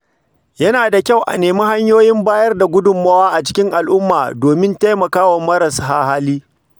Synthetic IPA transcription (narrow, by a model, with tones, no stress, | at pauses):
jɐ˦naː˨da˨kʲa˦˨wʔa̰˨neː˨miː˦ha˦ɲjoː˦jɪ˦mbaː˦jɐ˦rda˨ɡʷʊ˦dʊ˨mːɐ˦waː˦ʔa˨t͡ʃɪ̥˦kʲɪ˦ŋʔa˨lʔʊ˦mːa̰ː˨doː˨mɪ˦nta˦jmɐ˨kaː˦wɐ˨mːɐ˦ɾɐ˨sɦa˦ɦaː˦liː˦